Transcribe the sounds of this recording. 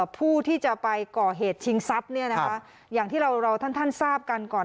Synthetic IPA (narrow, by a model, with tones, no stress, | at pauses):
pʰuː˥˩t̪ʰiː˥˩t͡ɕa˨˩pa˧jkɔː˨˩ɦeː˨˩t̪̚t͡ɕʰi˧ŋsa˦˥p̚ni˥˩ɐna˦˥ka˦˥ | jaː˨˩ŋt̪ʰiː˥˩ɾa˧wɾa˧wt̪ʰa˥˩nt̪ʰa˥˩nsaː˥˩p̚ka˧nkɔː˨˩n